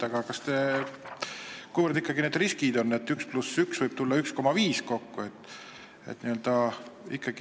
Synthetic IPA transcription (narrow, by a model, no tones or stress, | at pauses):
ɑɡ̥ɑkɑst̪e̞ | kujvərd̪ikːˑɑɡined̪riskid̪o̞nːe̞t̪ːˑyksplusyksvɤjb̥t̪ulːɑyksko̞mɑviːsko̞kːue̞t̪ːˑ | ḛt̪ːniøld̪̥ɑḭkːˑɑɡ̥i